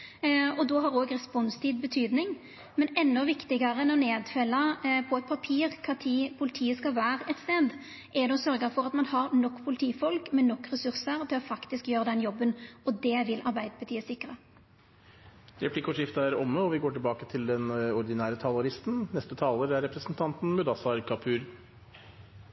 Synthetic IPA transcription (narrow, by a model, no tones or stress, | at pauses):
ɔd̪ɔɦɑɾoːɡʁɛspɔnst̪ʰiːd̪bət̪ʰyːd̪nɪŋ | mɛnɛnːɔʋɪkt̪ɪɡɑɾənɛɔneːd̪fœlːɑpʰɔɛt̪̚pʰɑpʰiːʁkʰɑt̪ʰiːpʰʊlɪt̪ʰiːəskɑlʋæːɾɛt̪st̪eːd̪ | ʔɛd̪ɛɔsœɾɡəfɔʁɑt̪mɑnhɑɾnɔkːpʰʊlɪt̪ʰiːfɔlkmɛnɔkːʁɛsʉɾsəɾt̪ʰɪlɔfɑkt̪ɪskjøːɾəd̪ɛnjɔbːənɔd̪ɛʋɪlʔɑɾbæɪd̪əpʰɑʈ̪ʰiːəsɪkːɾə | ɾɛpʰlɪkʊʂɪft̪əæɾɔmːəɔʋɪɡoːʈɪlbɑːkət̪ʰɪld̪ɛnɔɾd̪ɪnæːɾət̪ʰɑlʊɾɪst̪n̩nɛst̪ət̪ʰɑːləɾæɾɛpɾəsn̩t̪ʰɑnt̪n̩mʉd̪ɑsɑɾkʰɑpʰʉːɾ